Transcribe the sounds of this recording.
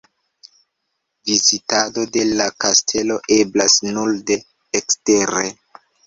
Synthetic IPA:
vizitado̞de̞lakastʰe̞lo̞ʔe̞blasnulde̞ː | kste̞ɾe

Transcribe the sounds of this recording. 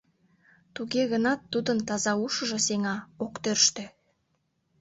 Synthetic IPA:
t̪uɣeɣə̆nɑt̪ːud̪ənt̪ɑzɑuʃə̆ʒɤ̆seŋɑokt̪ørʃt̪e

